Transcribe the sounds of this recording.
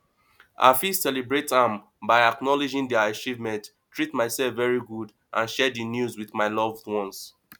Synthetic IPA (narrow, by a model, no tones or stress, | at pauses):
ʔa̰fissɛlibɹetãm | baɪaknɔlid͡ʒĩŋdɛat͡ʃivmɛ̃nt | tːɹitmaɪsɛlfvɛɹiɡud | ʔãnʃɛdinjuzwiθmaɪlɔvdwɔ̃ns